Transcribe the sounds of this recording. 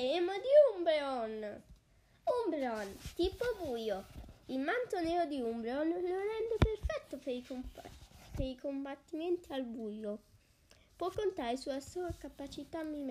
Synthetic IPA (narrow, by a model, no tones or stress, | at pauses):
ɛmod̪iumbɾeɔn | umbɾɔnt̪iːpobuːjoilmant̪onɛːɾod̪iumbɾeɔnːorɛnd̪eperfɛt̪ːopeik | peikombat̪ːiment̪ialbuːjo | pwɔkːont̪aːɾesuːasuakapat͡ʃit̪amːim